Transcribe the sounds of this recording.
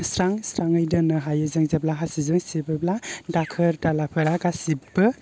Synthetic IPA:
sɾaŋsɾaŋɯjdɯnɯɦajɯzɯŋzeblaɦasizɯŋsibɯbladakʰɯɾdalapʰɯɾaɡasibɯ

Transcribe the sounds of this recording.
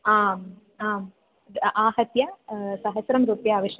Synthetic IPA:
aːm | aːm | aːhɐt̪jɐsɐɦɐsɾɐmɾuːpjɐːʋiʂ

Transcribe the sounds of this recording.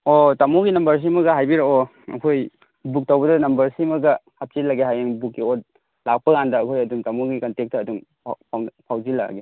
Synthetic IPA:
otamuɡinɐmbɐɾs̬imɐɡɐɦajbiɾao | ɐ̰kʰoj | buk̚tawbɐdɐnɐmbɐɾsimɐɡɐhap̚t͡ʃilaɡeɦajeŋbukːiot̚ | lak̚pɐɡandɐːkʰojɐdumtamuɡikɐntek̚tɐːdum | pʰpʰawzila̰ɡe

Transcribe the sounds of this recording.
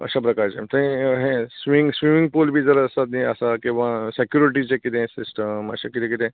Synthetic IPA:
ə̰ɕapɾəkaɾt͡ɕḛmt̪əĩɦẽsʋiŋɡsʋimĩŋɡ̚polbʱiːd͡zəɾəsat̪niəsakĩw̃ʋasekjuɾiʈ̬it͡ɕekit̪ẽsisʈəmə̰ɕakit̪ʰẽkit̪ẽ

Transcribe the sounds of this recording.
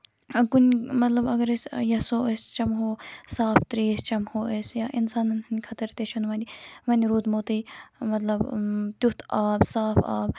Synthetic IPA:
kunʲmɐt̪lɐbɐɡɐɾesjɐsoːest͡ʃɐmɦoːsaːft̪ɾeːst͡ʃɐmhoːesjaːʔinsaːnɐnɐnʲkʰɐt̪ɐɾt̪eʃʰunʋɐ̃nd̪ʲiʋɐnʲiɾuːd̪moːt̪ɨjmɐt̪lɐbt̪ʲut̪ʰaːbsaːfa̰ːb

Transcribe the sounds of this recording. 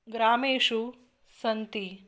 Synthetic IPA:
ɡɾaːmeːʂu | sɐnt̪i

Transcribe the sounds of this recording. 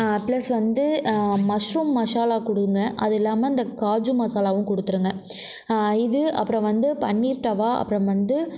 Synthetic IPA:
plɐsʋɐnd̪ɯmɐʂɾuːmːɐʂaːlaːkɔɽɯɯŋɡɐʔɐ̰ðɯɛlːaːmɐɪnd̪ɐkaːd͡ʒumɐsaːlaːʋɯ̃mkɔɽɯt̪ːɯɾɯŋɡɐ | ɪðɯɐ̰pːɯɾɐ̃ʋɐnd̪ɯpɐɳːiːɾʈːɐʋaːʔɐ̰pːɯɾɐ̃ʋɐnd̪ɯ

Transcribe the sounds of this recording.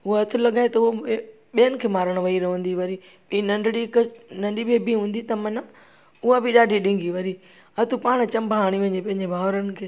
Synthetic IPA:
ɦʊoɐt̪ʰɪlɐɡaːet̪ɐʊo | ɓijənɪ̆kʰeːmaːɾəɽ̃ʋɐiɾɐʋə̃nd̪iʋɐɾi | ĩnɐ̃ɖɽiknɐ̃ɳɖibebiɦũːnd̪it̪ɐmɐna | ʊabʱɪɗaːɖʱiɗɪ̃ŋɡiʋɐɾi | ɐt̪ʰupaːɽ̃t͡ɕɐ̃mbɦaːɽ̃iʋɐ̃ɲepɐ̃ɦɪ̃ɲd͡ʑebʱaːʋɾənɪ̆kʰeː

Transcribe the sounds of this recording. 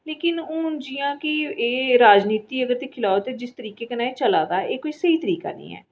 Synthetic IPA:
leːkɪnõːd͡ʒijãːkɪeːɾaːd͡ʒniːt̪iːəɡəɾt̪eːkʰɪlaːot̪eːd͡ʒɪst̪əɾiːkeːkənaːet͡ʃəlaːd̪aːeːkoːisəiːt̪əɾiːka̰ːnə̰̃ːɛ̰ː

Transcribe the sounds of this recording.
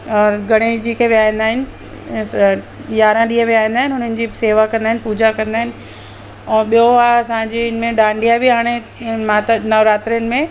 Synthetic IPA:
ɔːɾɡʱɐɽ̃eːd͡ʑiːkʰeʋijaːĩnd̪aːɦɪnɪ̆ | jaːɾãɗiːə̃ʋijaːĩnd̪aːɦɪnɪɦʊn̤ənɪ̆d͡ʑiːseːʋakɐ̃nd̪aɦɪnɪ̆puːd͡ʑakɐ̃nd̪aːɦɪnɪ̆ | ɛ̃ːɓijoaɐsãːɲd͡ʑeɪn̆mẽɗãːɳɖijabɪɦaːɽ̃e | mãːt̪nɐʋɾaːt̪ɾijənɪ̆mẽ

